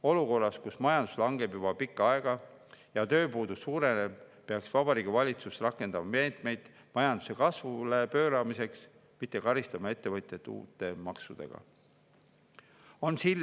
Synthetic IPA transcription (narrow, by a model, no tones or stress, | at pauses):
o̞luko̞rːɑskusmɑjɑnd̪uslɑŋɡe̞bjub̥ɑpikːɑɑe̞ɡ̥ɑ | jɑt̪ø̞ːpuːd̪usuːɾe̞nebpeɑksvɑbɑɾiːɡ̥ivɑlʲit̪susrɑkːˑe̞nd̪̥ɑmɑme̞ːt̪me̞jd̪̥ | mɑjɑnd̪̥u̥se̞kɑsvulepø̞ːɾɑmise̞ks | mit̪ˑːe̞kɑɾist̪ɑmɑe̞t̪ːe̞vɤt̪ʲˑjet̪ːˑṵːt̪ːˑe̞mɑksud̪̥e̞̰ɡ̥ɑ̰ | o̞nsilː